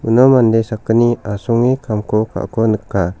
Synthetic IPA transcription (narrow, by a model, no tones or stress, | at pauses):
unomandesakəniasuŋikamkoka̰ʔkonəkːa